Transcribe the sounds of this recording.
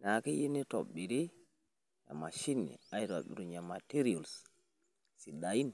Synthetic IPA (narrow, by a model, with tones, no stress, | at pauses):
na˨ki˦ji˦ni˦to̰˨ɓi˨ɾi˦ | ja̰˨ma˨ʃi˦nḭ˨a˨i˦to̰˨bḭ˨ɾu˨ɲa˨ma˨ti˦ɾi˦o˨ls | si˨da˨ji˦n